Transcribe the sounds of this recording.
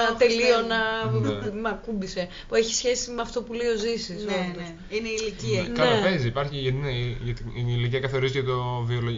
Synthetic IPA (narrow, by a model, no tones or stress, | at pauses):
t̪e̞lio̞nɐ | mɐkumbise̞ | pue̞çi̥sçe̞simeɐft̪o̞puleio̞zisisopos | ineiːliciɐnkɐlopeziːpɐɾçineʝɐt̪iiniliciɐkɐθo̞ɾizicet̪oviolo